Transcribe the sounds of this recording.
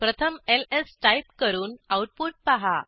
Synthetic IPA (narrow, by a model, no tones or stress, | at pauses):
pɾət̪ʰəmelesʈajp̚kəɾuːnawʈ̚puʈ̚paɦa̰